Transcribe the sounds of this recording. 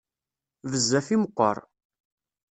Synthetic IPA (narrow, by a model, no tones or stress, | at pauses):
ðəzːæfiməqːɔ̰ɾˤ